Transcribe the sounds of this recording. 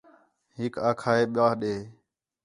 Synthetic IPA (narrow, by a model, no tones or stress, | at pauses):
ɦɪkaːkʰaːeːɓɪjaːɦɗeː